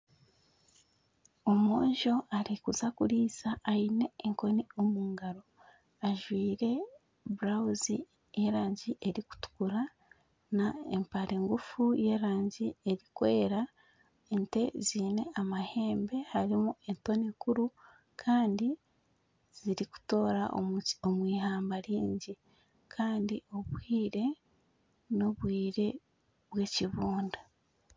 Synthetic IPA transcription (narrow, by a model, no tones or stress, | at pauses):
omoːɲʒo̞aɾikuzakuɾiːsaːine̞ːŋko̞niomuːŋɡaɾo̞ | aʒwiːɾe̞ | buɾauzi | eɾaːɲɟiʔe̞ɾiku̥tu̥kuɾa | naempaɾeːŋɡufuje̞ɾaːɲɟieɾikwe̞ːɾa | ente̞ziːne̞amahe̞ːmbe̞haɾimuento̞nikuɾu | kʰaːndi | z̥iɾiku̥to̞ːɾa̰ʔoo̞mwiːɦaːmbaɾiːɲɟi | kʰaːndio̞βwiːɾe̞ | no̞βwiːɾe̞ | βwe̞ːciβuːnda